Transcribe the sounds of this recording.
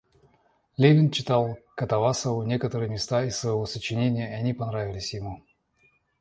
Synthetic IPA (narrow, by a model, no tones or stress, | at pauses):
lʲevʲɪnt͡ɕɪt̪alˠkɐt̪ɐvasəvʊnʲe̞kət̪əɾɨjmʲɪst̪aɪsːvəjɪvosət͡ɕɪnʲenʲɪjəɐnʲipɐnɾavʲɪlʲɪsʲjɪmu